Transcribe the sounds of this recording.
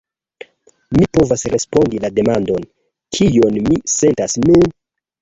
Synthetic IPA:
mipo̞vasɾe̞spo̞ndilade̞mando̞n | kʰijo̞nmise̞ntasmin

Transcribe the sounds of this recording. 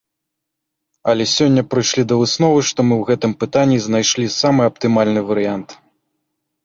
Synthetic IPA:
ɐlʲɛsʲɔnʲːɐpɾɨjʂlʲid̪ɐvɨsnɔvɨʂt̪ɔmɨwɣɛt̪ɨmpɨt̪anʲːiznajʂlʲisamɨɐp̚t̪ɨmalʲnɨvɐɾɨjant̪

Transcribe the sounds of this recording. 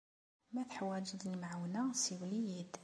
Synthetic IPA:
mæθħwæd͡ʒəd̪lmaʕwnasiwlijid̪

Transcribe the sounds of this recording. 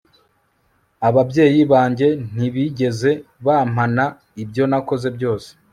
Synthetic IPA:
aβabɟe̞ːjiβaːɲɟe̞n̥iβiɟe̞ze̞βaːm̥ana | ibjo̞nako̞ze̞bjo̞ːse̥

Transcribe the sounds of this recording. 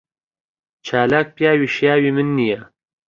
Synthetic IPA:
t͡ʃʰaːlaːk̚pjaːwiːʃjaːwiːmɨnːija

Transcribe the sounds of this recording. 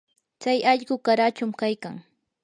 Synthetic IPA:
t͡sajɑʎɢʊkaɾat͡ʃʊmkajkaŋ

